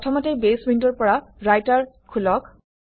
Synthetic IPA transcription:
ɔtʰɔmɔtejbeswintɔɹpɔɹaɹajtaɹ | kʰːulɔk

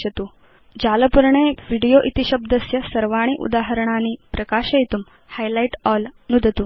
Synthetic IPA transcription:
ɐt̪uː | d͡ʑaləpuɾɳeʋiɽijoʔit̪iɕəbd̪əsjɐsɐɾʋaɽ̃iːʔṵd̪aɦəɾəɳ̃aniːpɾɐkaɕəjt̪um | hajlajiʈɔlnud̪ʱət̪um

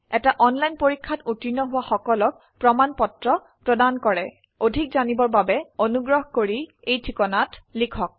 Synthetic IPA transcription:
ɛtaʔɔnlajnpoɹikʰːatutinɔɦʊwaxɔkɔlɔk̚ | pɹɔmanpɔtɹɔ | pɹɔdankɔɹɛ | odʱik̚zanibɔɹbabɛonuɡɹɔɦkoɹi | ejtʰikɔnatlikʰɔk̚

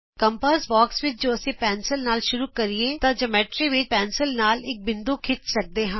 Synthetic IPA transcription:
kəmpəːsbaːksʋɪt͡ʃd͡ʒoːəsẽːpɛːnsəlnaːlʃʊɾuːkəɾieːt̪ãd͡ʒəmɛːʈɾiːʋɪt͡ʃpɛːnsəlnaːlɪk̚bɪ̃nd̪oːkʰɪt͡ʃ̪sək̚d̪eːɦãː

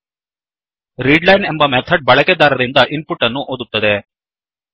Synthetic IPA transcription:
ɾiːɖlɐjnɛmbɐmɛt̪ʰːɐɖ̚bɐɭɐkːɛd̪aːɾɪɾɪnd̪ɐʔɪnpʊʈːɐnːũʔoːðɯt̪ːɐðeː

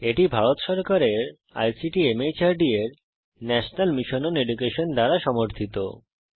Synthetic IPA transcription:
eʈibʱaɾot̪ʃɔɾkaɾeɾ | a̰jsiʈiemet͡ɕaɾɖieɾ | nɛʃonalmiʃononeɖukeʃond̪aɾaʃɔmoɾt̪ʰit̪o̰

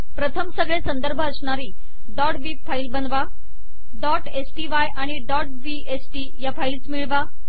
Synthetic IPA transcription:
pɾət̪ʰəmsəɡɭesənd̪əɾbʱəːsɳaɾiː | ɖɔʈʋibfaiːlbənd̪ʋa | ɖɔʈesʈiʋajʔaɽ̃iɖɔʈ̚ʋi | esʈi | jafailt͡smiɭʋa

